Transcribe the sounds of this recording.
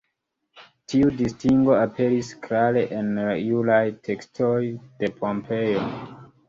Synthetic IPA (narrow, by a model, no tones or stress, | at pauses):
tʰiudistiŋɡo̞ape̞ɾiskɾale̞ʔenɾajulajtʰe̞kstʰojd̥e̞pʰompʰe̞jo̞